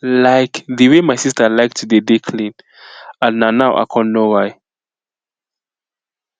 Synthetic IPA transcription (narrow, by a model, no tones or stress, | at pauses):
laɪkðəwemajsistəlajk̚tʰudedikʰlĩn | ãnnanawʔa̰kʰɔ̃nnowaj